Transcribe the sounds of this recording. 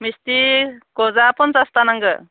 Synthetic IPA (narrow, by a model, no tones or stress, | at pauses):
mist̪ikɔzapɔnsast̪anaŋɡɯ